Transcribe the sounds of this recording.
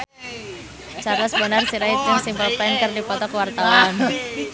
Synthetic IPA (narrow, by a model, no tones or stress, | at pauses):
t͡ʃarləsbənarsiɾait̪əŋsimpəlpɛnkɨrdipɔt̪ɔkəwart̪aan